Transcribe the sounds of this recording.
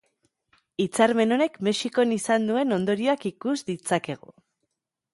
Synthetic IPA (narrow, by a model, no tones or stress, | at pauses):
it͡saɾme̞no̞ne̞kme̞ʃiko̞nisand̪ue̞no̞nd̪o̞ɾio̞akikuzd̪it͡sake̞ɣ̞ṵ